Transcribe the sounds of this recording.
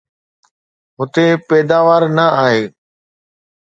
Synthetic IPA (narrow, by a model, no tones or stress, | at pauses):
ɦʊt̪epɛːd̪aːʋaːɾnɐaːɦeː